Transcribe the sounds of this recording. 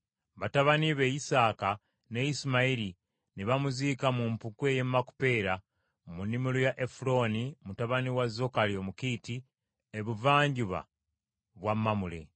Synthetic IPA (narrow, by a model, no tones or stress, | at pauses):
βataβaniβe̞isaːka | ne̞isimaiɾi | niβamuzikamumpukwe̞je̞mːaku̥pe̞ːɾa | munːimulujaʔefulo̞nimutaβaniwazo̞kalio̞ːmukiːti | eβuvaːɲɟuβa̰ | βwamːamule̞̰